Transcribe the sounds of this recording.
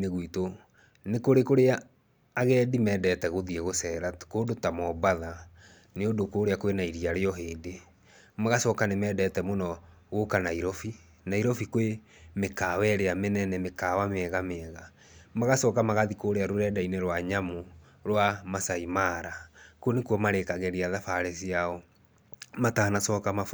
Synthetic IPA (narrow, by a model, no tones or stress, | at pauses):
neɣwito | nekoɾekoɾeaː | ɣɛːdimɛːdɛtɛɣoðiɛɣosɛɾakoːdotamɔbaða | neodokoːɾeakwenaiɾiaɾeɔɦeːde | maɣasɔːkanemɛːdɛtɛmonɔ | ɣokanaiɾɔfi | naiɾɔfikwe | mekaːwɛɾeamenɛnɛmekawameɛɣameɛɣa | maɣasɔːkamaɣaðikoɾeaɾoɾɛdaineɾwaɲamo | ɾwamasaimaɾakuɔnekuɔmaɾekaɣɛɾiaðafaɾɛsiaɔ | matahanasɔːkama